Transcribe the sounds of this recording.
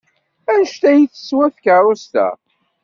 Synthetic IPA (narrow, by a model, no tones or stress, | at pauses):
ænəʃt̪æjəθə̥swæθkaɾˤost̪æ̰